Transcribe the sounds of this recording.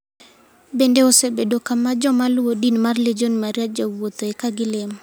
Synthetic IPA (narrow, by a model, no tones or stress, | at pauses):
bendeosebedokamad͡ʒɔmalwodinmarled͡ʒonmaɾjad͡ʒawot̪oekaɡɪlem